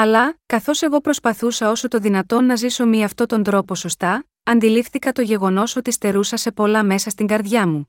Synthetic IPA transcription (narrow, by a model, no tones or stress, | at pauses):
ɐlɐkɐθo̞se̞ɣo̞pɾo̞spɐθusɐo̞so̞t̪o̞ðinɐt̪o̞nːɐziso̞miɐft̪o̞t̪o̞nd̪ɾo̞po̞so̞st̪ɐ | ɐnd̪ilifθikɐt̪o̞ʝe̞ɣo̞no̞so̞t̪ist̪e̞ɾusɐse̞po̞lɐme̞sɐst̪iŋɡɐɾðʝɐmu